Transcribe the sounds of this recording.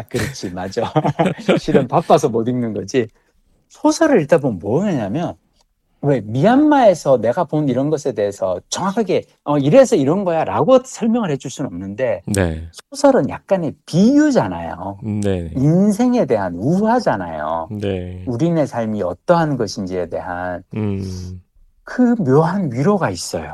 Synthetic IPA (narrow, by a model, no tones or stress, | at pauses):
akɯɾʌt͡ɕʰimad͡ʑo | ɕʰiɾɯmpap͈asʰʌmʌdɯŋnɯnɡʌd͡ʑi | sʰosʰʌɾɯɾiɭtʰabomʌeɲamjʌn | we̞miɦanmae̞sʰʌne̞ɡaponiɾʌnɡʌsʰe̞de̞ɦesʰʌt͡ɕʌŋakʰaɡe̞ | ʌiɾesʰʌiɾʌnɡʌjaɾa̰ɡosʰʌɭmjʌŋɯɭhed͡ʑuɭs͈unnʌmnɯnde̞nḛsʰosʰʌɾɯnja̰k̚k͈ane̞pijud͡ʑana̰jo̰neins̬ʰe̞ŋe̞de̞ɦanuɦad͡ʑana̰jo̰euɾine̞sʰaɭmiʌ̰t͈ʌɦanɡʌɕʰind͡ʑie̞de̞̰ɦan | kɯmjʌɦanɥiɾoɡais͈ʌ̰jo̰